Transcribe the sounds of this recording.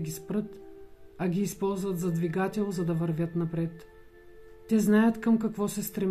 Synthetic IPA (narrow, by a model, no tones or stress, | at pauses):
ɡʲispɾɤt̪ɐɡʲiːspɔlˠzvət̪zɐd̪viɡat̪ʲɛlˠzɐd̪ɐvɐɾvʲjət̪nɐpɾɛt̪ː | ɛznajət̪kɐmkɐkvɔsɛst̪ɾɛm